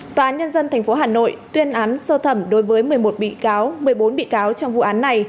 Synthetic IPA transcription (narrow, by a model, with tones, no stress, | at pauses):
t̪waː˨˩ʔaː˨˦nɲə˧nzə˧nt̪ʰɛ˨˩jŋ̟fo˨˦ɦaː˨˩no̰˧˨jt̪wi˧ənʔaː˨˦nsəː˧t̪ʰə˧˩mɗo˨˦jvəː˨˦jmɨ˨˩əjmo˨˩t̚ɓḭ˧˨kaː˨˦wmɨ˨˩əjɓo˨˦nɓḭ˧˨kaː˨˦wt͡ɕɔ˧wŋ͡mvṵ˧˨ʔaː˨˦nːa˧˩j